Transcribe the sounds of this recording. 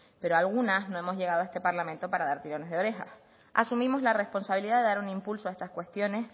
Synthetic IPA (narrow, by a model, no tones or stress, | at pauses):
pe̞ɾoalɣ̞unasnoe̞mo̞zʝe̞ɣ̞aðoe̞st̪epaɾlamẽnt̪o̞paɾaðaɾt̪iɾo̞ne̞zðeo̞ɾexa̰s | a̰sumĩmo̞zlare̞spo̞nsaβiliðaðe̞ðaɾunĩmpulsoaest̪askwe̞st̪jo̞ne̞s